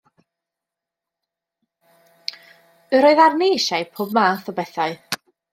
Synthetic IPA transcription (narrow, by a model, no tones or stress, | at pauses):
əɾoːɨðarneʃaɨpʰoːbmaːθɔbɛθaɨ